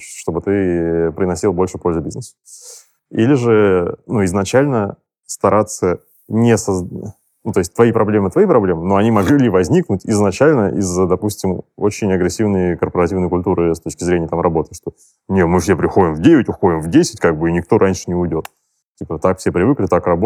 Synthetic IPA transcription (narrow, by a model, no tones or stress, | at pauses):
ʂt̪o̞bɨt̪ɨpɾʲɪnɐsʲilˠbo̞lʲʂɨpo̞lʲzɨbʲiznəsə̥ | ḭlʲɪʐɨnuɪznɐt͡ɕælʲnə | st̪ɐɾat̪sːə | nʲesɐz | nut̪o̞ɪsʲtʲt̪vɐipɾɐblʲe̞mɨt̪vɐipɾɐblʲe̞mɨno̞ɐnʲimɐɡllʲivɐzʲnʲiknʊtʲɪznɐt͡ɕælʲnəʔizəd̪ɐpusʲtʲɪmo̰t͡ɕɪnʲɐɡɾʲɪsʲivnəjkərpəɾɐtʲivnəjkʊlʲt̪uɾɨst̪o̞t͡ɕkʲɪzɾʲenʲɪjət̪amrɐbo̞t̪əʂt̪o̞ | nʲemɨfsʲe̞pɾʲɪxo̞dʲɪmvdʲevʲɪtʲʊxo̞dʲɪmvdʲesʲɪ̥tʲkaɡ̚bɨinʲɪk̚t̪o̞ɾʔanʲʂɨ̥nʲɪʊjdʲo̞t̪ | tʲipət̪akfsʲe̞pɾʲɪvɨklʲɪt̪akrɐbo